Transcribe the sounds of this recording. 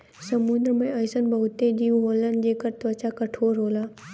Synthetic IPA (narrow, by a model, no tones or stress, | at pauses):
səmũnd̪ɾəmẽɐjsənbɐɦʊt̪ed͡ʒiːũɦoːlənd͡ʒeːkəɾt̪ʋət͡ɕakəʈʰoːɾɦoːlaː